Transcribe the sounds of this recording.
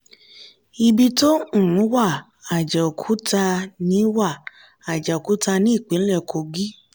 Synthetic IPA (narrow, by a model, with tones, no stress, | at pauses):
i˧bi˧tõ˦˨˦wa˦˨ | a˨d͡ʒɛ˨o˨kʰu˨˦ta˧nĩ˨˦wa˦˨ | a˨d͡ʒɛ˨o˨ku˨˦ta˧nĩ˦i˦˨k͡pĩ˨˦lɛ˦˨kʰo˧ɡi˦